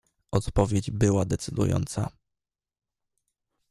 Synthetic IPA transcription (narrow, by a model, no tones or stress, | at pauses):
ʔɔt̪pɔvʲjed͡ʑbɘwad̪ɛt̪sɘd̪ṵjɔ̰nt̪sa